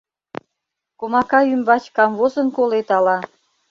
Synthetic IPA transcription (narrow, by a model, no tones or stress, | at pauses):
komɑkɑymbɑt͡ɕkɑmvozənkolet̪ɑlɑ